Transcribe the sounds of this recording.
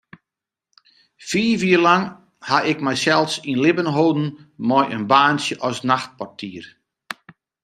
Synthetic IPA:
fiːviərlaŋ | haʔɪkmɛjsɛlˠsinlɪbənɦoːdn̩mɔjənbaːnsjəʔɔsnaxt̚partʰiər

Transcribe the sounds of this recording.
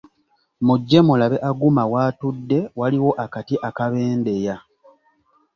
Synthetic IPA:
muɟːe̞mulaβe̞ʔaɡumawaːtudːe̞waliwo̞ʔakatiʔakaβeːnde̞ja

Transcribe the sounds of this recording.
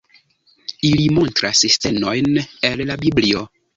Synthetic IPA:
ilimɔ̃ntɾasistɛnɔjnɛllabiblio

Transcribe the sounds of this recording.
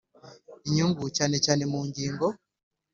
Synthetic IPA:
iɲuŋɡut͡ʃanet͡ʃanemuːɲɟiːŋɡɔ

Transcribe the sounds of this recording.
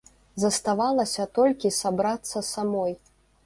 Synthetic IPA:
zɐst̪avalˠɐsʲɐt̪ɔlʲkʲisabɾat̪sːɐsamɔj

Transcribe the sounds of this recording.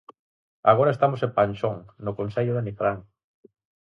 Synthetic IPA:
a̰ɣ̞oɾaest̪amosepanʲt͡ʃoŋnokonseʎʊðenifɾaŋ

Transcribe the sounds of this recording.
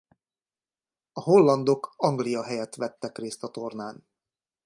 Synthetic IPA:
ɒɦo̞lːɒnd̪o̞kɒŋɡlijɒɦɛjɛt̪ʋɛt̪ːɛkreːst̪ɒt̪o̞rnaːn

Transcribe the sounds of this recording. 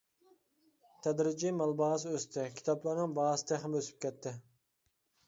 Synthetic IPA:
t̪ʰɛd̪ɾɪd͡ʒimɑlˠbɑːs̬øst̪ʰɪkʲʰi̥t̪ʰɑplˠɑɾnɨŋbɑːst̪ʰɛχmøsy̥p̚kʲʰɛt̪ʰːɪ

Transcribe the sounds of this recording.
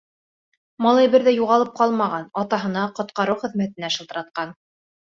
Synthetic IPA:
mɑlˠɑjbɘɾðæjuʁɑlˠɤp̚qɑlˠmɑʁɑnɑt̪ɑɦɤ̆nɑqŏt̪qɑɾɤwχɘ̆ðmæt̪ɘ̆næʃɤ̆lˠt̪ɤ̆ɾɑt̪̚qɑn

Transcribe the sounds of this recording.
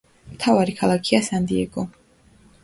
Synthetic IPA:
mt̪ʰavaɾikʰalˠakʰiasand̪iɛɡɔ

